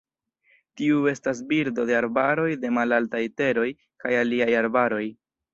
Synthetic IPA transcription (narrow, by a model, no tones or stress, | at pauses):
tiue̞stas̬biɾdo̞de̞aɾbaɾo̞jde̞malaltajte̞ɾo̞j | kajaliajaɾbaɾo̞j